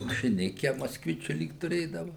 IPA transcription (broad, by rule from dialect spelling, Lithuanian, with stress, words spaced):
mɐʃʲɪˈnʲɪkʲɛ moːskˈʋʲɪt͡ʃʲʊ ˈlʲiːk tʊˈrʲeːdɐʋɐ